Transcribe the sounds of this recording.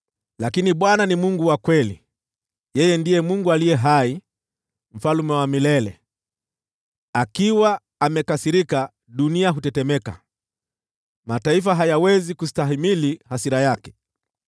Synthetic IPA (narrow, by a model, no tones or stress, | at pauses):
lakiniɓwananimuŋɡuwakwɛli | jɛjɛndijɛmuŋɡualijɛɦai | m̩falumɛwamilɛlɛ | akiwaː | mɛkasiɾika | ɗuniaɦutɛtɛmɛka̰ | mataifaɦajawɛzikusi̥taɦimilihasiɾajakɛ̥